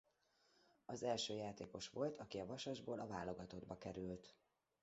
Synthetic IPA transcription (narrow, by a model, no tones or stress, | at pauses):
ɒzɛlʃøːjaːt̪eːko̞ʃʋo̞lt̪ʰɒkiɒvɒʃɒʒboːlʔɒvaːlːo̞ɡɒt̪o̞d̪bɒkɛɾylt̪